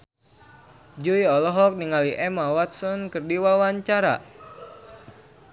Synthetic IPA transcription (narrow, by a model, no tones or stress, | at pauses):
d͡ʒuiɔlɔɦɔk̚niŋaliʔɛmawat̪̚sɔnkɨrdiwawaɲt͡ʃaɾa̰